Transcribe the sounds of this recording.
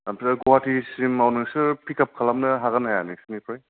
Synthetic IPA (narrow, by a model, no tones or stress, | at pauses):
ampsaɡowɦatʰisimawnɯŋsɯɾpʰikʰap̚kʰalam̚nɯɦaɣanajanisinipʰɾaj